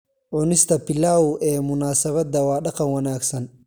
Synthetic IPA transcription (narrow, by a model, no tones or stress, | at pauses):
ʕʊnɪst̪ʰɐpʰɪlaːʊʔɛːmʊnaːsɐβɐd̪ɐwɑːɖɑqɑnwɐnaːɡsɐn